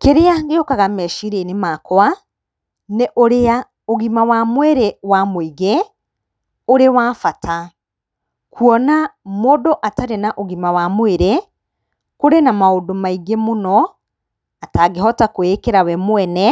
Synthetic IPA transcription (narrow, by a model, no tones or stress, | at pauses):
keɾeaɡeokaɣamɛʃiɾenemaːkwa | neʔoɾea | oɣimawamwɛɾewamoiɣe | oɾewaːfatʰa | kuɔnamodoʔataɾenaʔoɣimawamweɾe | koɾenamaodomaiɡemonɔ | ataɣeɦɔtakwekeɾawɛmwɛnɛ